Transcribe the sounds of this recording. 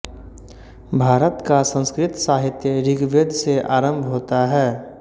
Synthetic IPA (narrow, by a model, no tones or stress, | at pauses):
bʱaːɾət̪kasə̃nskɾɪt̪saːɦɪt̪jəɾɪɡʋeːd̪ʱseʔaːɾə̃mbʱɦoːt̪aɦɛː